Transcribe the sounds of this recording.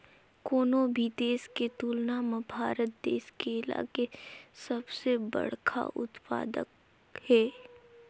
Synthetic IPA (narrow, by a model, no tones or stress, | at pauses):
koːnõbʱid̪eːsket̪uːlnamabʱaːɾət̪̚d̪ḛːʃkeɪla̰ːkesɐbsebɐ̰ɽ̤kʰa̰ʔʊ̰t̪pa̰ːd̪ə̰k | hɛː